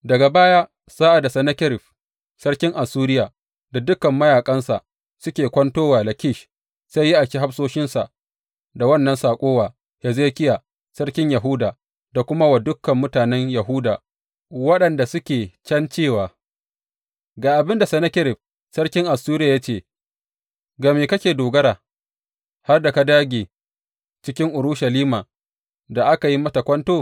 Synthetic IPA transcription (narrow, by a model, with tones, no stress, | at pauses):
dɐ˨ɡa˨baː˦jaː˦ | sa˦ʔa˨da˨sɐ˨nɐ˦kʲɪ˦ɾɪ˨ɸ | sɐ˦ɽkʲɪ˦ŋʔa˨suː˦ɾɪ˦jaː˨ | da˨dʊ˦kɐ˨mːɐ˦jaː˨kʼɐ˦nsa˨ʔ | sʊ˦kʲeː˨kʷɐ˦ntoː˦waː˨lɐ˨kʲɪ˦˨ʃ | sa˦jːi˦ʔa˨kʲi˦ɦa˦ɸsoː˦ʃɪ˦nsa˨ʔ | da˨wɐ˦˨nːɐ˦nsaː˨kʷʼoː˦waː˨ | hɛ˨zeː˦kʲɪ˦jaː˨ | sɐ˦ɽkʲɪ˦ɲja˨ɦʊː˦daː˨ | da˨kʷʊ˦ma˦wa˨dʊ˦kːɐ˨mːʊ˦taː˨nɛ˦ɲjɐ˨ɦʊ˦daː˨ | wɐ˦ɗɐ˨nda˨sʊ˦kʲeː˨t͡ʃɐ˦nt͡ʃeː˦˨waː˨ | ɡaː˨ʔa˨bɪ˦nda˨sɛ˨nɐ˦kʲɪ˦ɾɪ˨b̚ | sɐ˦rkʲɪ˦ŋʔa˨suː˦ɾɪ˦jaː˨ja˦t͡ʃeː˨ | ɡaː˨meː˨kɐ˦kʲeː˨doː˨ɡɐ˦ɾaː˨ | ha˦rda˨ka˦daː˦ɡʲeː˨ | t͡ʃɪ˦kʲɪ˦ŋʔʊ˨ɾʊ˦ʃa˨liː˦maː˨ | da˨ʔa˦ka˨ji˦mɐ˦tɐ˨kʷɐ˦ntoː˦